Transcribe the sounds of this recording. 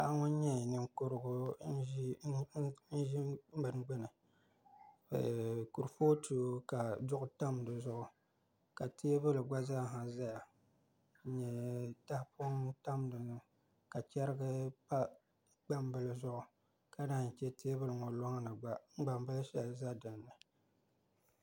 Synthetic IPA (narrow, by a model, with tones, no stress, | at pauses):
a˦ŋʊ˦n˦ɲɛ˦˨nɨ˦ŋ˦kʊ˦ɾɨ˦ɡʊ˦ | n̩˦ʒi˦bɨ˨n˦ɡ͡bɛ˦nɨ˨ | ku˨ɾfo˦tʰu˨o˦ka˨dʊ˦ʔʊ˦ta˦m˨dɨ˨zʊ˦ʔʊ˨ | ka˨tʰeː˦bɨ˦lɨ˨ɡ͡ba˦za˦˨ɦa˨za˦ja˨˦ | ɲɛ˨ta˦hpʊ˦ŋta˦m˦dɨ˨nɨ˦ | ka˨t͡ʃɛ˦ɾɨ˦ɡɨ˦pa˦ | ɡ͡ba˦m˦bɨ˦lɨ˨zʊ˦ʔʊ˨ | ka˦da˦ht͡ʃɛ˦tʰeː˦bɨ˦lɨ˨ŋɔ˨lɔ˦ŋ˦nɨ˨ɡ͡ba˦ŋ͡m̩˦ɡ͡ba˨m˦bɨ˦lʃɛ˦lza˦dɨ˨nːɨ˨